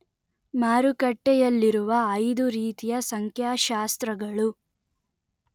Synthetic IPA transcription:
maːɾukɐʈːɛjɐlːiɾuʋɐːjd̪uɾiːt̪ijɐsɐŋkʰjaːʃaːst̪ɾɐɡɐɭu

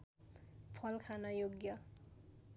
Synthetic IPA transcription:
pʰʌlkʰanajoɡjʌ

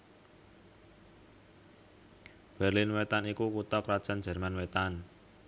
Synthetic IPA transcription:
b̥ɛ̤rlɪnwet̪anikukut̪ɔkɾad̥ʒ̥a̤n̥d͡ʒ̥ɛ̤rmanwet̪an

